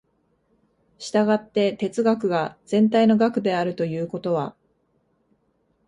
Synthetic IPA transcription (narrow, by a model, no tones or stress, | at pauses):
ɕi̥t̪aɡat̪ːe̞t̪e̞t͡sɨɡakɯ̟ɡaz̥ẽ̞nt̪̬aino̞ɡakɯ̟d̪e̞aɾɯ̟t̪o̞jɯ̟ːko̞t̪o̞β̞a